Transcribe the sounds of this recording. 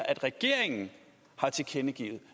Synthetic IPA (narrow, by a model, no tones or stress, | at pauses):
ɐʔæd̥ʁɛɡ̥e̝ɐ̰eŋn̩ | hɑ̈t͡sʰe̝kʰenəɡ̥ḭːð̩ˠ